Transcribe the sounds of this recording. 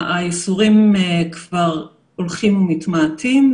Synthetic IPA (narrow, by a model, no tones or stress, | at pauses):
ajisuʁimekvaʁ | olχimumitmatʰim